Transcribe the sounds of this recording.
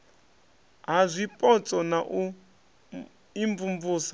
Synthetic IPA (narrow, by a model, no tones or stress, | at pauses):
ɦazʷipʼɔt͡sʼɔnaʔu | iɱvumbuːsḁ